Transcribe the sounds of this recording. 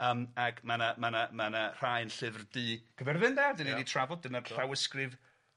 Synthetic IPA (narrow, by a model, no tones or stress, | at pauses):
əːmakʰmanamanamanar̥ajnɬɪvrdɨːɡ̥əvɛrvɨnðɛrdɪniditʰravɔd̚dɨnarɬawəskrɨv